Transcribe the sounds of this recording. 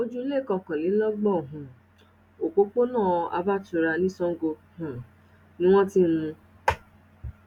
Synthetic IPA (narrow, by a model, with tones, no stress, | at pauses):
mo˦d͡ʒu˦le˦˨kɔ̃˨kɔ̃˨li˨˦lɔ˦ɡ͡bɔ˦˨ɦʊ̃˨ | o˨k͡po˦k͡po˦nãː˦˨a̰˨˦ba˦tʊ˨ɾa˧nĩ˦sɔ˦ŋ̩˦ɡo˧ | hũ˨ | nĩ˦wɔ̃˦ti˦m̩˦mũ˧